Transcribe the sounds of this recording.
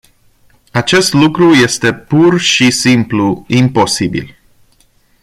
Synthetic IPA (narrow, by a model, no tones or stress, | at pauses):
at͡ʃe̞st̪lukɾuje̞st̪e̞purʃisimpluimpo̞sibḭl